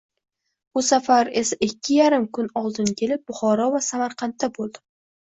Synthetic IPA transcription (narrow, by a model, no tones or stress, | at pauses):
bʊsafaɾe̞saʔɪkʲːɪjaɾɪmkʊnɒlˠd̪ɪnkʲʰe̞lɪp̚bʊχɒɾɒvasamaɾqʰɑnt̪ːabolˠd̪ɪ